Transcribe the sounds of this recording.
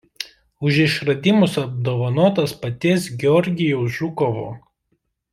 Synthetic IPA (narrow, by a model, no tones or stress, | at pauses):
ʊʒɪʃɾɐd̪ʲɪmʊsɐb̚d̪oːʋɐnoːt̪ɐspɐt̪ʲeːs̬ɡʲɛɔɾʲɡʲɪjoʊʒʲʊkɔʋo̰ː